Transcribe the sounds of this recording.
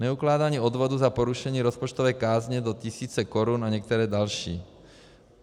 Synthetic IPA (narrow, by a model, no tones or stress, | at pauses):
ɲɛuklaːd̪aɲiɔd̪ʋɔd̪uzapɔɾuʃɛɲiːɾɔspɔt͡ʃt̪ɔʋɛːjkaːzɲɛd̪ɔc̪isiːt͡sɛkɔɾunaɲɛk̚t̪ɛɾɛːd̪alʃḭː